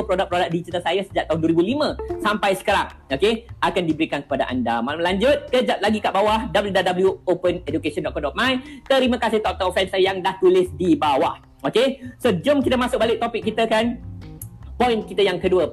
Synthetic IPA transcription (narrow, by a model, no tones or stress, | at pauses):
pɾodak̚pɾodak̚dit͡ʃət̪əsajasəd͡ʒaʔ̚t̪aɦʊnduəɾibulimə̃sampajsə̥kəɾaŋ | okeʔakandibəɾikankə̥padaʔa̰ndamalamlaɲd͡ʒʊt̪̚kəd͡ʒap̚laɡikaʔbawahdabəljudadabəljuopənɛdukesɔ̃ndɔʔkɔdɔʔ̚majt̪əɾimə̃kasɪht̪ɔk̚t̪ɔk̚fɛnsajaŋdaht̪ulɪsdibawah | okesod͡ʒʊmkit̪əmãsʊk̚balɪk̚t̪opɪkːit̪əkan | pɔjnkit̪əjaŋkəduə